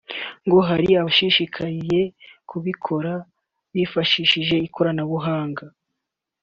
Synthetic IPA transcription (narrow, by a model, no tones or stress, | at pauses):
ŋɡo̞ɦaɾiaβaʃiʃikʰaɾje̞kʰuβikʰo̞ɾa | βifaʃiʃiʒe̞ikʰo̞ɾanaβuɦaːŋɡa